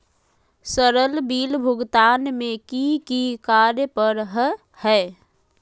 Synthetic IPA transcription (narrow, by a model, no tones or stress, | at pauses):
səɾəlbiːlbʱʊɡt̪aːnmẽkikikaːɾjəpəɾɦ | hɛː